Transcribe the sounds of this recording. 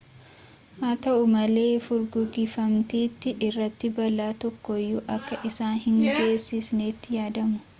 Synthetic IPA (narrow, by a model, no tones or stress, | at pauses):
maːt̪ɐʔʊmɐle̞ːfʊɾɡʊɡiːfɐmt̪iːt̪ːɪʔɪrːɐt̪ːɪbɐlaːt̪ɔkːɔjːʊʔɐkːɐʔɪsaːnhɪŋɡe̞ːsːɪsneːt̪ːɪjaːd̪ɐmʊ̥